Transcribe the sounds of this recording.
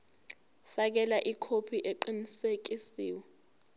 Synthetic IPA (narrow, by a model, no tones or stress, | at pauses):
fak̬ɛlaʔikʰopʰiʔeǃinisek̬isiːwɛ